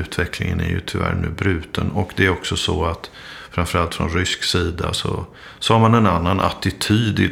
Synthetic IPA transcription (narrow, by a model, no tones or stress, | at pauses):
ʉ̟ːt̪vɛklɪŋə̰næ̰ɾjɵt̪ʰʏvæ̰ːɾɳʉ̟ːbɾʉ̟ːt̪ənɔkd̪ɛæɾɔksɔsɔat̪ | fɾamfœɾalt̪fɾɔnɾʏsksiːd̪asɔ | sɔhaɾmanɛnanːanʔa̰t̪ɪt̪ʰyːd̪ɪ